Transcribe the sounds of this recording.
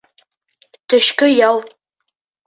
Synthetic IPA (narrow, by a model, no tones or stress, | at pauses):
t̪ɵ̆ʃkɘjɑlˠ